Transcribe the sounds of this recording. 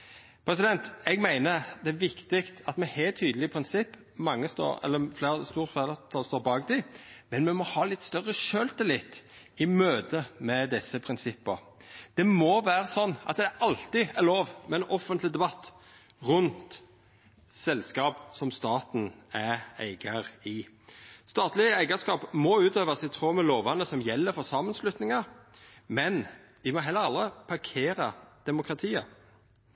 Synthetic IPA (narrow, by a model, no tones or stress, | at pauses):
pʰɾɛsɪd̪ɛnt̪ɛɡmæɪnəd̪ɛæɾʋɪkt̪ɪkt̪ɑt̪mɛhælt̪ʰːyːd̪əlɪpʰɾɪnsɪpː | mɑŋːəst̪o̰ːɛ̰lːəfleːɾəst̪uːʁfælət̪ʰɑst̪oːɾbɑːɡd̪ɪmɛnmɛmɔhɑːlɪt̪st̪œʁːəʃøːlt̪ɪlɪt̪ː | ɪmøːd̪əmɛd̪ɪsəpʰɾɪnsɪpːəɾ | d̪̥ɛmɔʋæːɾəsɔnːɑ̰t̪d̪ɛæʔɑlt̪ɪæloːʋmɛɛnʔɔfənt̪lɪd̪ɛbɑt̪ː | ʁʉnt̪ | sɛlskɑːpsɔmst̪ɑːt̪n̩ææ̰ɪɡɑɾɪ | st̪ɑːt̪lɪəæɪɡəskɑːpmɔʉːt̪øːʋəsɪt̪ʰɾoːməloːʋɑnəsɔmjɛlːəfɔsɑmːənslʉt̪nɪŋɑ | mɛn | ʋɪmɔɦɛlːəɾɑlɾəpʰɑɾkʰeːɾɑd̪̥ɛmʊkɾɑt̪ʰiːə